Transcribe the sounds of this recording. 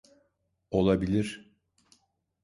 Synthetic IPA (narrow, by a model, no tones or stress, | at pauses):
o̞lˠabilʲiɾ̥